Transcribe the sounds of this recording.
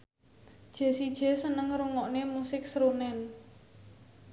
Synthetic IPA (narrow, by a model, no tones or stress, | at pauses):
d̥ʒ̥e̤sid̥ʒ̥e̤sənəŋɾuŋɔʔnemusɪksɾonɛn